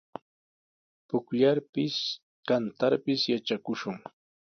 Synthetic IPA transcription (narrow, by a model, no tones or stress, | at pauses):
pʊkʎaɾpɪs | kant̪aɾpɪsjat͡ʃakʊʃʊŋ